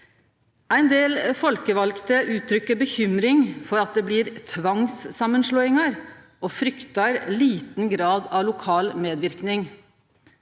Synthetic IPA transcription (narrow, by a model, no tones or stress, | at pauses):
æɪnd̪eːlfɔlkəʋɑlkt̪əʔʉːt̪ʰɾʏkːəɾbəçʏmɾɪŋfɔɾɑt̪̚d̪eːbliːɾt̪ʰʋɑŋsːɑmːənʂɭoːɪŋɑɾ | ʔoːfɾʏkt̪ɑɾliːt̪n̩ɡɾɑːd̪ɑʋlʊkʰɑːlmeːd̪ʋɪɾknɪŋ